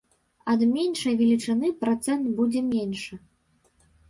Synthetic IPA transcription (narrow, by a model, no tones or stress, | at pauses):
ɐd̪mʲenʂɐjvʲɛlʲit͡ʂɨnɨpɾat̪sɛnd̪bud͡zʲɛmʲenʲʂɨ